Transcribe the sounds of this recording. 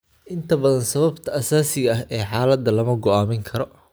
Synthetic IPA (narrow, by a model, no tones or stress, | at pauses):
ʔɪnt̪ʰɐbɐðɐnsɐβɐbt̪ʰɐːsaːsɪɣɐɐɦɛːħaːlɐd̪ɐlɐmɐɡɔaːmɪŋkʰɐɾɔ